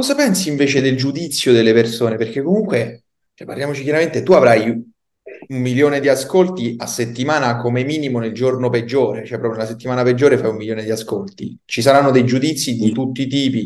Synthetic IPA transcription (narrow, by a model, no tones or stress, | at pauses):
kɔzapɛnsiːɱveːt͡ʃed̪eld͡ʒud̪it̪sːjod̪elːepersoːneperk̟ekːomuŋkwe | repːa̰rljaːmot͡ʃikjaɾament̪et̪uavɾaj | ummiljoːned̪iaskolt̪iasːet̪ːimaːnakomemiːnimoneld͡ʒornoped͡ʒːoːɾet͡ʃoɛpɾɔpɾjonelaset̪ːimaːnaped͡ʒːoːɾefajumːiljoːned̪iaskolt̪i | t͡ʃisaɾanːod̪ejd͡ʒud̪it̪sːid̪it̪ut̪ːit̪iːpi